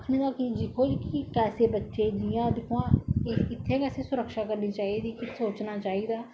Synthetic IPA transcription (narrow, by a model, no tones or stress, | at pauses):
kʰnẽːd̪aːkid͡ʒɪkʰoːd͡ʒkikɛːseːbətːʃẽːd̪ɪjãːd̪ɪkʰuãːɪɪt̪ʰːẽːkɛːseːsʊɾəkʃaːkəɾniːt͡ʃaːiːd̪iːkɪsoːt͡ʃnaːt͡ʃaːiːd̪aː